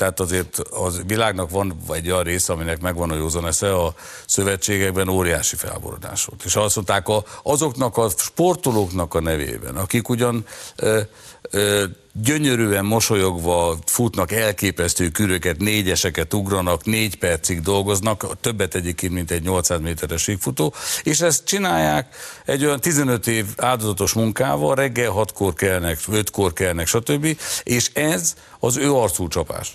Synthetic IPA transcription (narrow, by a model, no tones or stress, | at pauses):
t̪ɛat̪ɒzeːrt̪ɒʋilaːɡnɒkʋɒnɛɟːojɒnreːsɛɒminɛkmɛɡʋɒnojoːzonɛsɛɒ | sø̞vɛt͡ʃːeːɡɛɡ̚bɛnoːɾijaːʃifɛ̰lbo̰ɾo̰d̪a̰ːʃo̰t̪eːʃɒst̪mont̪aːkɒɒzo̞knɒkɒʃpo̞rt̪oloknɒkɒnɛvḛːbɛ̰nɒkikuɟɒn | ø | ɟø̞ɲø̞ɾyːɛmmo̞ʃo̞jo̞ɡʋɒfut̪nɒkɛlkeːpɛst̪øːkyɾøkɛt̪neːɟɛʃɛkɛt̪uɡrɒnɒkneːɟpɛrt̪siɡd̪o̞lɡo̞znɒkt̪ø̞bːɛt̪ːɛɟeːp̚keːnt̪mint̪ɛɟɲo̞lt̪saːzmeːt̪ɛɾɛʃiːkfut̪oːeːʃɛst̪̚t͡ʃinaːjːaːkɛɟːo̞jɒnt̪izɛnø̞t̪eːvaːld̪o̞zɒt̪o̞ʃmuŋka̰ːvɒlrɛɡːɛlɦɒt̪ko̞rkɛlnɛkøt̪ko̞rkɛlnɛkʃɒt̪øbːieːʃɛz | ɒzøːɒrt̪suːt͡ʃɒpa̰ːʃt̪